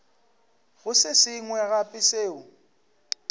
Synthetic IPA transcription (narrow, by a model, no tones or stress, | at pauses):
ɣʊsɪsɪŋwɛɣapʼɪseːʊ